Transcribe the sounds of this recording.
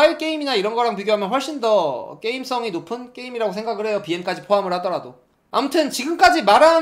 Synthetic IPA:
aiɭk͈e̞imiɲaiɾʌnɡʌɾaŋpiɡjoamjʌnɸwʌɭɕ͈indʌk͈e̞ims͈ʌŋinopʰɯnk͈e̞imiɾaɡosʰe̞ŋɡaɡɯɭɦe̞jopienk͈ad͡ʑipʰoɦamɯɭhadʌɾado | a̰mutʰɯnt͡ɕiɡɯmk͈ad͡ʑimaɾa

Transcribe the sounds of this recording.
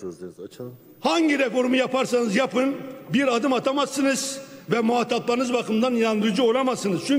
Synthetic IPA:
haɲɟiɾɛkoɾumujapaɾsanɯzjapɯnbiɾad̪ɯmat̪ʰamazɯnɯzvɛmuɦat̪ʰːaplˠanɯzbakʰɯmd̪anjand̪ɯɾd͡ʒuo̞lˠamasɯnɯz̥t͡ʃʰy

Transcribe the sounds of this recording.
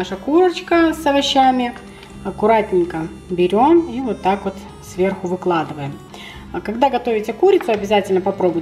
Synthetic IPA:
aʂəkuɾət͡ɕkəsɐvɐɕːamʲɪ | ɐkʊɾatʲnʲɪŋkə | bʲɪɾʲo̞mivot̪ːakvo̞t̪ | svʲe̞rxʊvɨklˠad̪ɨvəjɪm | kɐɡd̪aɡɐt̪o̞vʲɪtʲəkuɾʲɪt̪sʊɐbʲɪzatʲɪlʲnəpɐpɾo̞bʊ

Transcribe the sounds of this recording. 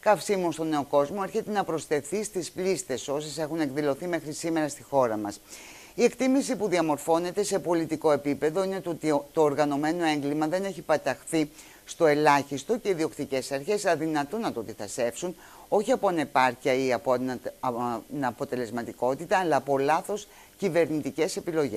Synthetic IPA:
kɐfsimost̪o̞ne̞o̞ko̞zmo̞e̞ɾçe̞t̪e̞nɐpɾo̞st̪e̞θist̪isplist̪e̞so̞se̞se̞xune̞kðilo̞θime̞xɾisime̞ɾɐst̪ixo̞ɾɐmɐs | ie̞kt̪imisipuðiɐmo̞ɾfo̞ne̞t̪e̞se̞po̞lit̪iko̞e̞pipe̞ðo̞ine̞t̪t̪o̞ːɾɣɐno̞me̞no̞e̞ŋɡlimɐðe̞ne̞çipɐt̪ɐxθi | st̪o̞e̞lɐçist̪o̞ce̞iðio̞kt̪ice̞sɐɾçe̞sɐðinɐt̪unɐt̪ot̪iθɐse̞fsun | o̞çiɐponepɐɾciɐiɐp | nɐpo̞t̪e̞le̞zmɐt̪iko̞t̪it̪ɐːlɐːpo̞lɐθo̞s | cive̞ɾnit̪ice̞se̞pilo̞ʝes

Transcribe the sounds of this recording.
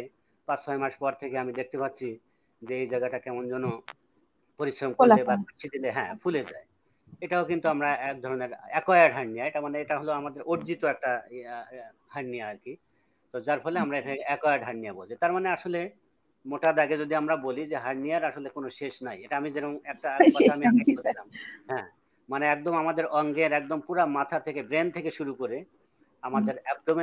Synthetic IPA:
pat͡ɕʃɔemaʃpɔɾt̪ʰekeamid̪ek̚ʰt̪epatːɕʰi | d͡ʑeejd͡ʑaɡaʈakɛmond͡ʑɔnːo | poɾiʃɾomkoɾebakit͡ɕʰid̪ileɦɛ̰̃fʰuled͡ʑa̰e | eʈaokint̪uamɾaɛk̚d̪ʱɔɾoneɾɛ̰kɔjaɖɦaɾnijaet̪aɾmaneeʈaɦoloamad̪eɾʔoɾd͡ʑit̪oɛk̚ʈa | haɾnijaaɾki | t̪od͡ʑaɾfʰɔleamɾaeʈaɛkɔjaɖɦaɽnijabod͡ʑet̪aɾmaneaʃole | moʈad̪aɡed͡ʑod̪iamɾabolid͡ʑeɦaɾnijaɾaʃolekonoʃeʃnajeʈaamid͡ʑɛnoŋɛk̚ʈaamiakeoilamɦɛ̃ | maneɛk̚d̪omamad̪eɾɔŋɡeɾɛk̚d̪ompuɾamat̪ʰat̪ʰekebɾent̪ʰekeʃuɾukoɾe | amad̪eɾɛk̚d̪ome

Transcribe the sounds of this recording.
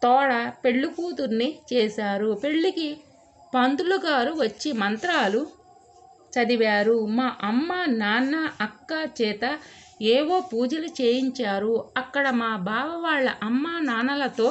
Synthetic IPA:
t̪ɔːɽɐpe̞ɭːukuːt̪uɾnːit͡ʃɛːsaːɾupe̞ɭːiki | pɐnd̪uluɡaːɾuʋɐt͡ʃːimɐnt̪ɾaːlu | t͡ʃɐd̪iʋaːɾumaːʔɐmːanaːnɐʔɐkːat͡ʃɛːt̪ɐ | eːʋoːpuːd͡ʒɐlut͡ʃeːjiɲt͡ʃaːɾuɐkːɐɽɐmaːbʱaːʋɐʋaːɭːɐʔɐmːaːnaːnɐlɐt̪o̞ː

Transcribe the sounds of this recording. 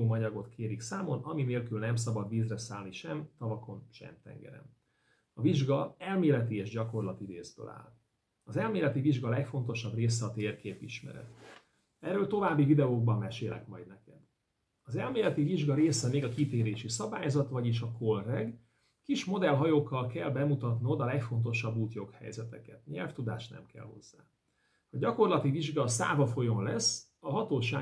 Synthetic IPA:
oːmɒɲɒɡot̪kʰeːɾiksaːmo̞nɒmineːlkylnɛms̬ɒbɒd̪viːzrɛsaːlniʃɛmt̪ɒvɒko̞nʃɛ̰mt̪ɛ̰ŋɡɛ̰ɾɛ̰n | ɒviʒɡɒɛlmeːlɛt̪ieːʒɟɒko̞rlɒt̪iɾeːzbø̰ːla̰ːl | ɒzɛlmeːlɛt̪iviʒɡɒlɛkfo̞nt̪o̞ʃɒbreːsɛɒt̪eːrkeːpiʃmɛ̰ɾɛ̰t̪ | ɛːrøːlt̪o̞vaːbːivid̪ɛoːɡ̚bɒmːɛʃeːlʔɛ̰kmɒjd̪nɛkɛd̪ | ɒzɛlmeːlɛt̪iviʒɡɒɾeːsɛmeːɡɒkit̪eːɾeːʃisɒbaːjzɒt̪vɒɟiʃɒkolrɛɡ | kiʃmo̞d̪ɛlɦɒjoːkːɒlkɛlbɛmut̪ɒt̪niod̪ɒlɛkfo̞nt̪̬o̞ʃɒbːuːt̪jo̞khɛ̰jzɛt̪ɛkɛt̪ɲɛ̰lft̪ud̪a̰ːʃt̪nɛ̰mkɛ̰lho̞̰zːa̰ː | hɒɟɒko̞rlɒt̪iviʒɡɒsa̰ːvɒfo̞jo̞nlɛs | ɒɦɒt̪oːʃaː

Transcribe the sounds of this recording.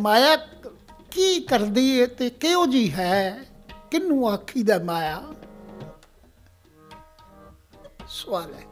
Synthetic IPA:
maːjaː | kiːkəɾd̪iːeːt̪eːkeõːd͡ʒiːɦɛːkɪnːũːaːkʰiːd̪aːmaːjaː | sʊʋaːlɛː

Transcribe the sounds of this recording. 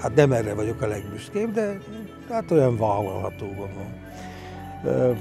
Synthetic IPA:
hat̪nɛmɛrːɛvɒɟo̞kɒlɛɡmyʃkeːbd̪ɛ | hat̪ojɒɱvaːvolhɒ̰t̪oːvonɒn

